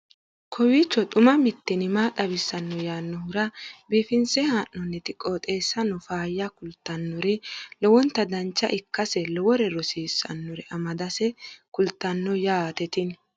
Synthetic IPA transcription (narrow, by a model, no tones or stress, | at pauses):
kʰɔwiːt͡ʃːɔt̪ʼʊmɐmɪt̪ːɪnɪmaːt̪ʼɐbɪsːɐnːɔjaːnːɔhʊɾɐbiːfɪnsɛhaːnːɔnːɛt̪ɪkʼːoːt̪ʼeːsːɐnːɔfaːjːɐkʊlt̪ːɐnːɔɾɛlɔwɔnt̪ːɐd̪ɐnt͡ʃːɐ̰ʔɪkːɐsɛlɔwɔɾɛɾɔsiːsːɐ̰nːʊɾɛʔɐmɐd̪ɐsɛkʊlt̪ːɐnːɔjaːt̪ɛt̪ɪn